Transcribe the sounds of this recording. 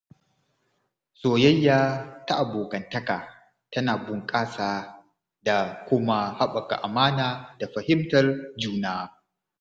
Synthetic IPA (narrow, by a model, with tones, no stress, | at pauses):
soː˨jɐ˦jːaː˦ta˦ʔa˨boː˨kɐ˨ntɐ˦kaː˨ | tɐ˦naː˨bʊ˨ŋkʼaː˦saː˦ | da˨kʷʊ˦ma˦ha˦ɓɐ˨ka̰˨ʔa˨maː˦naː˨da˨ɸɐ˨hɪ˦mtɐ˨rd͡ʒuː˦naː˦